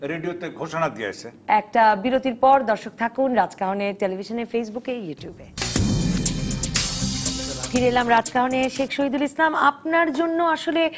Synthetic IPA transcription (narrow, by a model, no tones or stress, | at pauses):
ɾeɖijot̪eɡʱoʃonad̪iḛt͡ɕʰeɛk̚ʈabiɾot̪iɾpɔɾd̪ɔɾʃok̚t̪ʰakunɾad͡ʑkaɦoneɾʈelebʱiʃoneɾfejsbukejuʈjube | fʰiɾelamɾad͡ʑkaɦoneʃekʰʃoɦid̪ulislamapnaɾd͡ʑonːoaʃole